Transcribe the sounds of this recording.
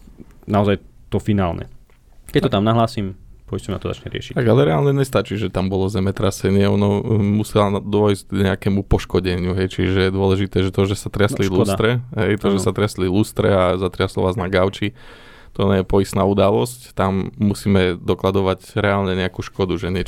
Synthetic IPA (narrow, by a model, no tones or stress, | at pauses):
naɔzajt̪ɔfinaːlɲɛ̰ | kɛc̚t̪ɔt̪amnaɦlaːsimpɔistɔmnat̪ɔza̰t͡ʃɲɛɾɪɛ̰ʃi̥t̪aɡalɛɾɛalɲɛɲɛst̪at͡ʃiːʒɛt̪ambɔlɔzɛmɛt̪ɾasɛɲɪɛɔnɔmusɛlad̪ɔjizɡɲɛakɛmupɔʃkɔɟɛɲɪuɦɛjt͡ʃiʒɛjɛd̪ʊɔlɛʒit̪ɛːʒɛt̪ɔʒɛsat̪ɾɪaslilust̪ɾɛɦɛjt̪ɔʒɛsat̪ɾɪɛslilust̪ɾɛ̰azat̪ɾɪaslɔ̰ʋaːznaɡaʊt͡ʃi | t̪ɔɲɛjɛpɔist̪naːud̪alɔsct̪amːusiːmɛd̪ɔklad̪ɔʋaɟɾɛalɲɛɲɛakuʃkɔd̪uʒɛɲɪɛ